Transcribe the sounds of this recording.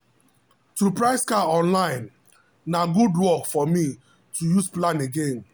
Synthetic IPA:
tɾupɹaɪskaɔ̃nlãɪ̃n | naɡudwɔkfɔmi | tʰujusplãneɡẽn

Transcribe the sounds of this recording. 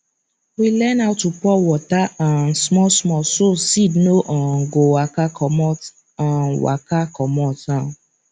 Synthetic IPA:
wilɛ̃naʊtupɔwɔtaãnsmɔ̃smɔsosinoʔãɡowakaɔmɔ̃ | ãwa̰kakɔmɔ̃tã

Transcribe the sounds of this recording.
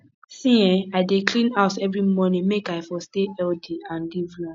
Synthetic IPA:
sĩɛ̃aɪdeklĩnaʊtɛvɹimɔnĩmekaɪfɔsteɛldiãnlivlã

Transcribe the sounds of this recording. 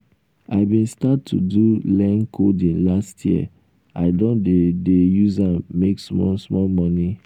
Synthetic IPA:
aɪbĩnstatʰːṵdulɛ̃nkʰodĩnlastʰjiə̰ | aɪdõndedejuzãmːeksmɔsmɔlmɔni

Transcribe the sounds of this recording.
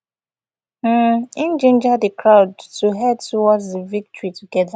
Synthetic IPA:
m̩ĩnd͡ʒẽnd͡ʒadəkʰɹaʊdtuɦɛdtuwɔtðivik̚tɔɹituɡɛða

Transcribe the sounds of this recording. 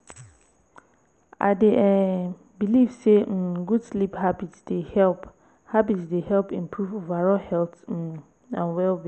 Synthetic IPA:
a̰deʔɛ | bilivseɡudsliphabitsd̥ehɛlp | habitsdehɛlpĩmpʰɹuvovaɹɔhɛlt̩ | ã̰nwɛlbi

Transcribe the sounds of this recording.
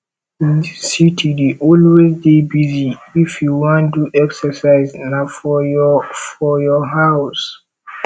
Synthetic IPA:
ðisitʰideʔɔlwezdebiziifjuwɔ̃nduʔɛksəsaɪznafɔfɔjɔɦaʊs

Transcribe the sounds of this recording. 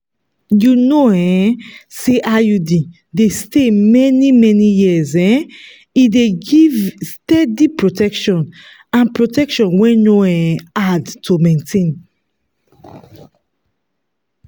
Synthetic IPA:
junoɛ̃seʔajudi | destemɛnimɛnijiɛzɛ̃ | ideɡivstɛdipɹotɛkʃɔ̃n | ãnpɹotɛkʃɔ̃nwɛ̃noɛ̃adtʰomẽntʰẽn

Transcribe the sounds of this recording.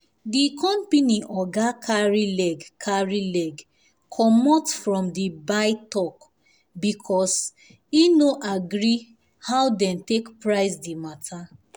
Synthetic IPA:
dikɔ̃mpiniʔɔɡakʰaɹilɛɡkʰaɹilɛɡ | kʰɔmɔtfɹɔ̃mdibaɪtɔk | bikʰɔs | inoʔaɡɹi | hawdɛ̃ntekpɹaɪsdimatʰa

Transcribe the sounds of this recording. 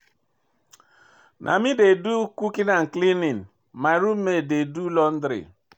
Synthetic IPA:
nʔa̰midedukukinaŋ̩klinin | maɾum̩mededulɔn̩dɾɪ̰

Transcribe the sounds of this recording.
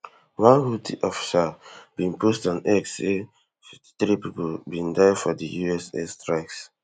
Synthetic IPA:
wãnhutʰḭʔɔfi̥sab̥ĩnpustɔ̃nɛkse | fifti̥tɹipipobĩndajfɔdəjuɛsɛ̰stɹaɪks

